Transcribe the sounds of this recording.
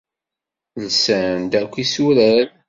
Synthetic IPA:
nsænd̪ækʷːisuɾæɾ

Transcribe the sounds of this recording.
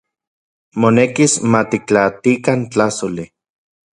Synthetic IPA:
monekismat̪ik̚t͡ɬat̪ikant͡ɬasoli

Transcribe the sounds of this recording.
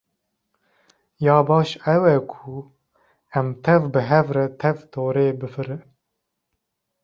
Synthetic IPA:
jɑːbɑːʃɛwɛkʰu | ɛmt̪ʰɛvbɨɦɛvɾɛt̪ʰɛvt̪ʰoːɾeːbɨfɨɾɨ

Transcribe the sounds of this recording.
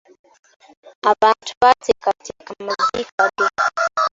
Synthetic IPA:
avantu̥patɛkatikamazikadi

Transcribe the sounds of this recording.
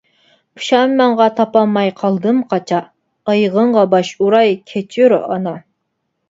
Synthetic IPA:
pʰʊ̥ʃɑmːɑŋʁɑt̪ʰɑpɑmːɑjqʰɑlˠd̪ɨmqʰɑt͡ʃʰɑ | əjʁəɴʁɑbɑʃuɾɑjkʲʰet͡ʃʰyɾ̰ʔɑnɑ

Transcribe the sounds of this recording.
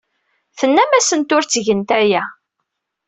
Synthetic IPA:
θənːæmæsənt̪ʊɾt͡sːʝənt̪æjæ

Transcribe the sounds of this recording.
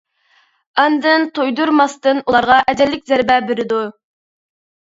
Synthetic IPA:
ɑnd̪ɨnt̪ʰojd̪uɾmɑst̪ɨnulˠɑɾʁɑʔɛd͡ʒɛlːɪk̚ʲzæɾbɛbeɾɪd̪u

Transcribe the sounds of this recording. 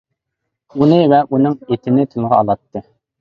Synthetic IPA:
unɨvɛʔunɨŋet̪ʰɪnɪt̪ʰylʁɑɑlˠɑt̪ʰːɨ

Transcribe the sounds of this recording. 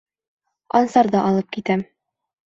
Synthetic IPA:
ɒnsɑɾd̪ɑʔɒlˠɤp̚kit̪æm

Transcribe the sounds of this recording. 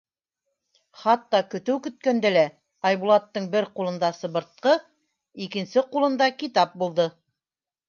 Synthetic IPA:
χɑt̪ːɑkɵ̆t̪ɵwkɵ̆t̪̚kænd̪ælæ | ɑjβulˠɑt̪ːɤɴbɘɾqulˠɤ̆nd̪ɑsɤ̆βɤ̆ɾt̪̚qɤ | ikɘ̆nsɘqulˠɤ̆nd̪ɑkit̪ɑp̚bulˠd̪ɤ

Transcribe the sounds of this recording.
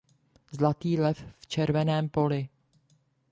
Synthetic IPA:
zlat̪iːlɛfft͡ʃɛɾvɛnɛːmpo̞lɪ

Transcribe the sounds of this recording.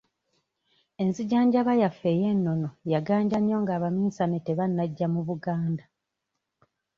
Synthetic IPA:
e̞nziɟaːɲɟaβajafːe̞ːje̞nːo̞no̞jaɡaːɲɟaɲo̞ːŋɡaːβaminsaneteβanːaɟːamuβuɡaːnda

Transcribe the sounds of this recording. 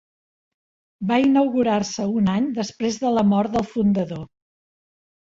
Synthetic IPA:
bainəwɣuɾarsəunaɲd̪əspɾezðələmɔɾt̪̚d̪əlˠfund̪əðo

